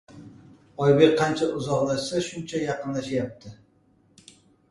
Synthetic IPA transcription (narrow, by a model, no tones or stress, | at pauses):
ɒjbek̚ʲqʰːɑnt͡ʃʰaʔʊzɒqlaʃsaʃʊnt͡ʃʰajɑqɨnlaʃajap̚t̪ʰɪ